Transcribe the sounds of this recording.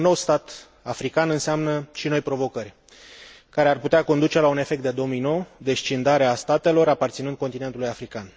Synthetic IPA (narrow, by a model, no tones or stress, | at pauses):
nːo̞wst̪at̪ | afɾikanɨnseamnəʃino̞jpɾo̞vo̞kərʲ | kaɾearput̪eako̞nd̪ut͡ʃe̞laune̞fe̞k̚t̪d̪ed̪o̞mijno̞wd̪e̞ʃt͡ʃind̪aɾeast̪at̪e̞lo̞ɾapart̪sinɨnd̪̚ko̞nt̪ine̞nt̪ulujafɾikan